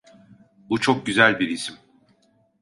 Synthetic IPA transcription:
but͡ʃʰo̞k̚ɟyzælʲbiɾisim

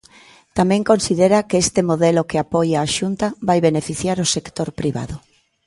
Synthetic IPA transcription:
t̪amɛ̃ŋkonsiðeɾɐkeest̪emoðɛlokeapɔjaːʃunt̪aβajβenefiθjaɾosekt̪oɾpɾiβa̰ðʊ

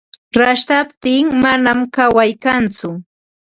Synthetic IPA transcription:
ɾaʃt̪apt̪ɪŋmanamkawajkant͡sʊ

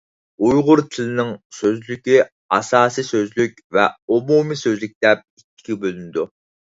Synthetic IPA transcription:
ujʁʊɾt̪ʰɪlɪnɪŋsøzlykʲi | ɑsɑːsijsøzlykʲvɛumumisøzlyk̚ʲt̪ɛp̚itʲːi̥ɡʲbølynɪd̪u

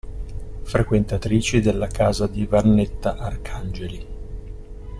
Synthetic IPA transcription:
fɾekwent̪at̪ɾiːt͡ʃid̪elːakaːzad̪ivanːet̪ːaʔarkʰand͡ʒeli

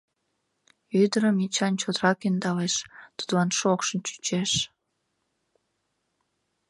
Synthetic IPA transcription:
yd̪əɾəmit͡ɕɑnt͡ɕot̪ɾɑkynd̪ɑleʃt̪u̥d̪lɑnʃokʃənt͡ɕy̥t͡ɕeʃ

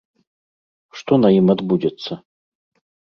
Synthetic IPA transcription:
ʂt̪ɔnɐjimad̪bud͡zʲɛt̪sːɐ

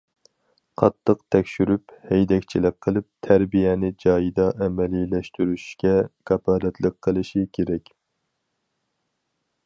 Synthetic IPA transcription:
qʰɑt̪ʰːəqt̪ʰɛkʲʃyɾyphɛjd̪ɛkʲt͡ʃʰilɪk̚ʲqʰːəlˠɨp̚t̪ʰæɾbijɛnɪd͡ʒɑːjid̪ɑʔɛmɛlilɛʃt̪yɾyʃkʲɛɡ̥ɛpʰɑːd̪ɛt̪ʰlˠəkqʰːəlˠɨʃɪkʲʰeɾɛkʲ

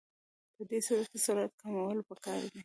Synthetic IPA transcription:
d̪əd̪esuɾat̪asuɾat̪̚kamawəlopəkɑɾd̪i

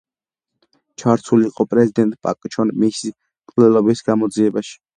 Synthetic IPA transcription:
t͡ʃʰaɾt̪ʰuliːqʼɔpʼɾɛzid̪ɛnt̪ʼpʼa̰kʼt͡ʃʰɔnmisi | t̪ʼlɛlɔbisɡamɔd̪ziɛbaʃi̥

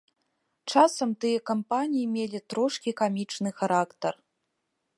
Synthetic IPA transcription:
t͡ʂasɐmt̪ɨjɛkɐmpanʲijimʲelʲit̪ɾoʂkʲikamʲit͡ʂnɨxɐɾakt̪ɐr

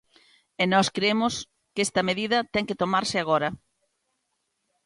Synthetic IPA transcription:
enɔskɾeemʊs | kest̪ɐmeðiðɐt̪ɛŋkɪt̪omaɾsɪaɣ̞ɔɾɐ

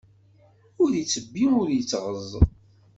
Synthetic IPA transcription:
ʊɾit͡sːəbːiʊɾjət͡sːʁəzˤ

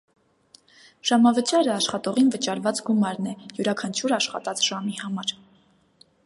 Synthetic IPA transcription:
ʒ̥ɑmɑvət͡ʃɑɾəɑʃχɑt̪ɔʁinvət͡ʃɑɾvɑt͡sɡumɑɾnɛjuɾɑkʰɑnt͡ʃʰuɾɑʃχɑ̰t̪ɑt͡sʰʒ̥ɑmihɑmɑɾ

